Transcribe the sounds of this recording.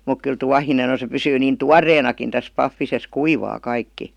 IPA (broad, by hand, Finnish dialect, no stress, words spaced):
muk kyl tuɑhinen̞ on̞ se pysyː niːn tuɑrˑeːnɑkin tæs pɑfːises kuiʋɑː kɑikːi